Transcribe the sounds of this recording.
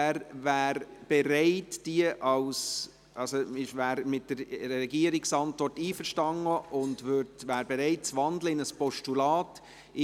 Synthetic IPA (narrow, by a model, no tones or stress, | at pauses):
ɾvæːɾb̥ɛɾɛɪtd̥iəʔɑls | ʔɑsoɪʃvæːɾmɪt̚dəɾɾɛɡiəɾɪksɑntʋɔɾtiːfəɾʃtɑŋːəʔʊndʋøɾdʋæːɾbɛɾɛɪt̚t͡sʋɑndləɪnəspɔʃtulɑːt